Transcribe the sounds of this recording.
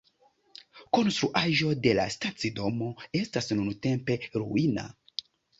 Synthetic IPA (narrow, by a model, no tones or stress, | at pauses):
ko̞nstɾuʔaʒo̞de̞la̰stat͡sido̞mo̞e̞stasnunute̞mpe̞ɾuina̰